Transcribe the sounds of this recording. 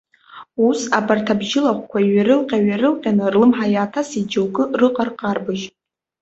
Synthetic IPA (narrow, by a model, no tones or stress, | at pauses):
usabʰartʰabʒɪlaχʷkʷʰaiɥaɾɨlqʲʼaɥaɾɨlqʲʼanɨrlɨmħajaːtʰasid͡ʒɨlɡʼɨrɨqʼarqʼarbɨʒ